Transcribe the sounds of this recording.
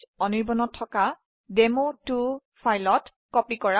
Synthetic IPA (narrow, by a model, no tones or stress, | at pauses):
ɔniɹbɔnɔtʰːɔka | demotu | fajlɔt | kɔpikɔɹa